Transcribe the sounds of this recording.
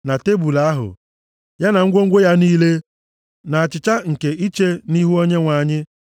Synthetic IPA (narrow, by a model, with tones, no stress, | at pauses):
na˨te˦bu˨la˦ɦʊ̰˨ | ja˦na˨ŋ̩˦ɡʷo˦ŋ̩˦ɡʷo˦ja˦niː˦le˦ | na˨a˨t͡ʃɪ˨t͡ʃa˦ŋ̩˨ke˨ʔi˦t͡ʃe˦ni˦ɦu˦o˦ɲe˦ŋʷa˨ɲɪ˦